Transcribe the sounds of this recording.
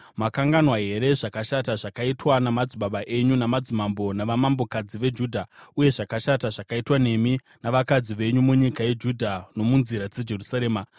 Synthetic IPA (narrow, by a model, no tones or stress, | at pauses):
makaŋɡanwaɦe̞ɾe̞ʐakaʃataʐakaitwanamad͡ziɓaɓaʔe̞ɲunamad͡zimambo̞naʋamambo̞kad͡ziʋe̞d͡ʒuːdʱauje̞ʐakaʃataʐakaitwane̞mi | naʋakad͡ziʋe̞ɲumuɲikaje̞d͡ʒudʱano̞munziɾad͡ze̞d͡ʒe̞rusaɾe̞ːma